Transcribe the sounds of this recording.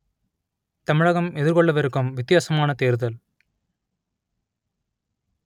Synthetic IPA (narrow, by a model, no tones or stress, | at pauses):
t̪ɐmɪɻɐɣɐmɛðɪɾkɔɭːɐʋɐɾɯkːɯmʋɪt̪ːɪjaːsɐmaːnɐt̪eːɾðɐl